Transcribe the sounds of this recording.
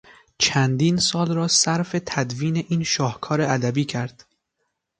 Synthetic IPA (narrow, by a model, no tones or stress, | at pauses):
t͡ʃʰænd̪iːnsɒːlrɒːsæɾfe̞t̪ʰæd̪viːne̞ʔiːnʃɒːhkʰɒːɾeʔæd̪æbiːcʰæɾd̪̥